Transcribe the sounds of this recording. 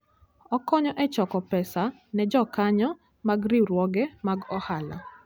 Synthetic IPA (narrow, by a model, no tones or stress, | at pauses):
ɔkɔɲɔʔɛt͡ʃɔkɔpɛsa | nɛd͡ʒɔkaɲɔ | maɡɾɪɾwɔɡɛmaɡɔhala̰